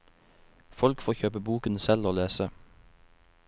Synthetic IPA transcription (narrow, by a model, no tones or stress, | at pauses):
fɔlkfoːçøːpəbuːkənsɛloːleːsə